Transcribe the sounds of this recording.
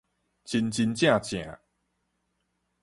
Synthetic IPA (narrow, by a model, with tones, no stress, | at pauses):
t͡ɕi˧nt͡ɕi˧nt͡ɕjã˥˨t͡ɕjã̰˨˦